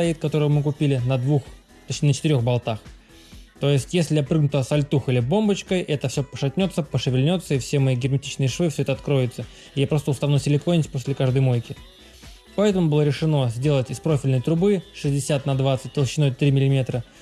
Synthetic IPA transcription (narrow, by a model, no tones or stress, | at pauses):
t̪ɐit̪kɐt̪o̞ɾəvəmɨkʊpʲilʲɪnɐd̪vux | t̪ot͡ɕnʲɪnət͡ɕɪt̪ɨɾʲoxbalˠt̪ax | t̪o̞jɪsʲtʲjesʲlʲɪjapɾɨɡnʊt̪əsɐlʲt̪uxilʲɪbo̞mbət͡ɕkəjʔɛt̪əfsʲopəʂɐtʲnʲo̞t̪səpəʂɨvʲɪlʲnʲo̞t̪sːəɪfsʲemɐiɡʲɪrmʲɪtʲit͡ɕnɨjɪʂvɨfsʲoɛt̪ɐːt̪kɾo̞jɪt̪sə | ɪjapɾost̪əlˠst̪ɐvnusʲɪlʲɪkonʲɪtʲpo̞sʲlʲɪkaʐd̪əjmo̞jkʲɪ | pɐɛt̪əmʊbɨlˠəɾʲɪʂɨno̞zʲdʲe̞lˠətʲɪspɾo̞fʲɪlʲnəjt̪ɾʊbɨʂɨzʲdʲɪsʲat̪nɐd̪vat̪sɨt̚ʲt̪əlˠɕːɪno̞jt̪ɾʲimʲɪlʲɪmʲet̪ɾə